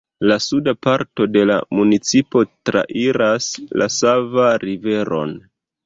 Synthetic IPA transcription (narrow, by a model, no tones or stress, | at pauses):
lasudapaɾto̞de̞la̰munit͡sipo̞tɾa̰ʔiɾaslʔa̰savaɾive̞ɾo̞̰n